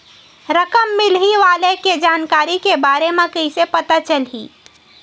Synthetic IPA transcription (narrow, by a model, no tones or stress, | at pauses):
ɾəkəmːɪlɦiʋaːleked͡ʒaːnkaːɾikebaːɾemẽkəisepət̪at͡ʃəlɦḭː